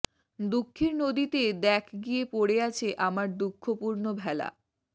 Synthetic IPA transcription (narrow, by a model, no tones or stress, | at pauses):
d̪ukʰːiɾnod̪it̪ed̪ɛkʰɡijepoɽeat͡ɕʰeʔamaɾd̪ukʰːopuɾnobʱɛla̰